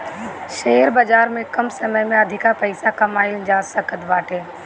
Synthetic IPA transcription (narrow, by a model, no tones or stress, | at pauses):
ʃeːɾbəd͡ʒaːɾmẽkɐmsəməjmẽɐd̪ʱɪkapəɪsakɐmaːɪld͡ʒaːsəkʰət̪ʋaːʈeː